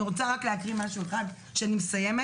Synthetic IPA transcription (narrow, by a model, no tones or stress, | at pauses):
iʁot͡saʁakleakʁimaʃueχad̪ | ʃeanimesajeme